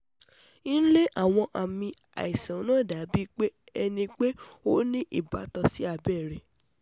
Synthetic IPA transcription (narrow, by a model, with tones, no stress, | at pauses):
ĩ˦n̩˦le˦ʔa˦˨w̃ɔ̃˧ʔa˨mĩ˧ | a̰˨i˨sã˨˦nã˦˨da˨˦bi˦k͡pe˦ | ɛ˧nĩ˧k͡pe˦o˦nĩ˦ʔi˦˨ba˨˦tɔ˧si˦a˦˨bɛ˦˨ɾɛ˨